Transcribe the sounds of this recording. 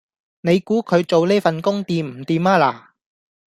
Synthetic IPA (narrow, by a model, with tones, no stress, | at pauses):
ne˨˧jkuː˨˥kʰɵ˨˧ɥt͡so˨wliː˥fɐ˨nkʊ˥ŋt̪iː˨mm̩˨˩t̪iː˨˧maː˥laː˨˩